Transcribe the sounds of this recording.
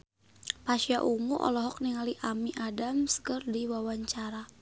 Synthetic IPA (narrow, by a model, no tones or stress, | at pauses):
paʃijaʔuŋuʔɔ̰lɔɦɔk̚niŋaliʔamiʔadamskərdiwawaɲt͡ʃaɾa